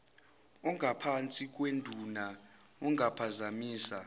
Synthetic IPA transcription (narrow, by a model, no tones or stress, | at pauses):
ɔŋʱapʰant͡sʼik̬ʼwendʱunaɔŋapʰazamiːsa